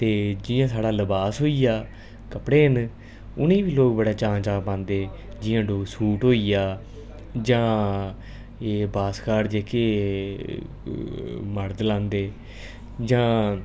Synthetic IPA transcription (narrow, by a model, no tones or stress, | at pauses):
t̪eːd͡ʒɪjãːsaːɽaːləbaːsɦoːiːjaː | kəpɽeːn | ʊnẽːbiːloːkbəɽaːt͡ʃãːt͡ʃaːbãːnd̪eː | d͡ʒɪjãːɖoːsuːʈɦoːiːjaː | d͡ʒãː | eːbaːskaːɽd͡ʒeːkeː | məɾd̪lãːnd̪eː | d͡ʒãː